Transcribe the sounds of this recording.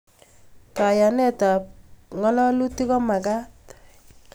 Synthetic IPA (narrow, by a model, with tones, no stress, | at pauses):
ka˨ja˨nɛ˦ta˨pŋɔ˦lɔ˦lu˦ti˦kɔ˦ma˨ɡa˦t